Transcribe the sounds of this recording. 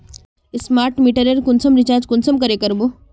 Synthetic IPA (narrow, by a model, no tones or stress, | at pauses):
smaɾʈmiʈəɾeɾkunsəmɾit͡ɕaɾd͡ʑkunsəmkəɾekəɾbo